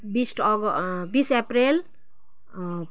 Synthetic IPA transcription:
bisʈʰɔɡbisepɾel

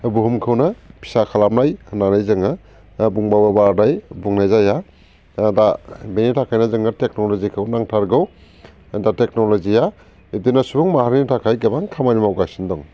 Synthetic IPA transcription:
buɦumkʰɯwnapʰi̥sakʰalamɾajnanajzɯŋa | buŋbababadajbuŋnajzaja | dabenitʰakʰajnazɯŋatek̚nɔlɔzikʰɯwnaŋtʰaɾɡɯw | datek̚nɔlɔzia | itinasubɔŋmahaɾnitʰakʰajɡabaŋkʰamajnimawɡajsindɔŋ

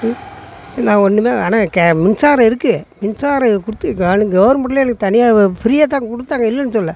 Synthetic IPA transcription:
nãːɡɔnːɯmeːaːnaːkɛmɪnsaːɾɐ̃ɪɾɯkːɯmɪnsaːɾɐ̃kʊɽɯt̪ːɯɡɐnɯɡɐʋɾmɐʈleːlɯkːɯt̪ɐnɪjaːpɪɾɪjaːt̪ːaːŋɡɐkɔɽɯt̪ːaːŋɡɐɪlːɐnːɯsɔlːɐ

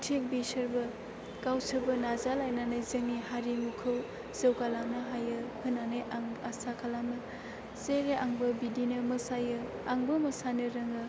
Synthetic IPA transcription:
tʰek̚bisɐɾbɯ | kawsɯbɐnazalajnanɯjzɯŋːihaɾimukʰɯw | zewkalamnɯɦajɯhʰɯnːanɯjʔaŋasakʰalamɯ | seɾeʔaŋbɯbidinɯmɐsajɯ | aŋbɯmɐsanɯɾɐŋɯ

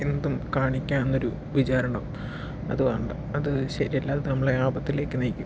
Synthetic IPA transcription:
end̪umkaːɳikʲːaːnenːo̞ɾu | ʋit͡ɕaːɾɐɳɐʋm | ɐ̰ðuʋɐːɳɖɨ | ɐðɨɕɐɾielːaːnɐmːɐɭeaːbɐt̪ːile̞ːkːɨnɐjkʲːum

